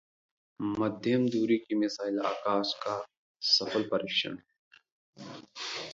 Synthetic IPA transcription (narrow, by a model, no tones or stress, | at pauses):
mɐd̪ʱɐmd̪uːɾikimɪsaːɪla̰ːkaːska | sɐfəlpɐɾiʃɐ̰n